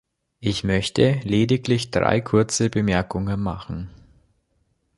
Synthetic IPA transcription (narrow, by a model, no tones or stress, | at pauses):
ʔɪçmœçtʰəleːdɪklɪçd̥ʁa̰ɪkʰʊɐt͡səbəmɛɐkʊŋənma̰χn̩